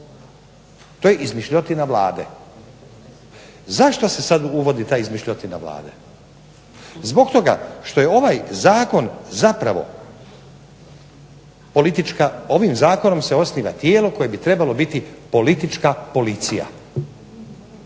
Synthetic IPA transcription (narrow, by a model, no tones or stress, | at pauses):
t̪ojeʔizmiʃʎot̪inaʋlˠa̰ːd̪ḛ | zaʃt̪ose̞sad̪uʋo̞d̪it̪aːjizmiʃʎʲot̪ina̰ʋla̰ːd̪e | zbo̞ɡt̪o̞ɡa̰ʃt̪o̞je̞o̞ʋajzaːko̞nzapɾaʋo̞̰ | po̞lit̪it͡ʃkao̞ʋimzaːko̞no̞mse̞o̞sniːʋa̰t̪jeːlo̞ko̞jebit̪ɾe̞balo̞bit̪ipo̞lit̪it͡ʃkapo̞lit̪sija̰